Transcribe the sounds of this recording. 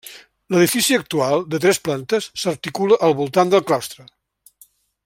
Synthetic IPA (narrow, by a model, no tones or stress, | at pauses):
ləðifisiək̚t̪ualˠd̪ət̪ɾɛsplant̪əsːərt̪ikuləʔəlˠβulˠt̪and̪əlˠklawst̪ɾə